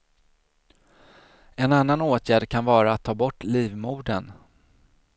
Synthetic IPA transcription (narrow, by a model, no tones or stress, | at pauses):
ɛnan̪ːanoːt̪ʰjæːɖkʰanvɑːɾaːt̪ʰːɑːbɔʈːliːvmuːɖən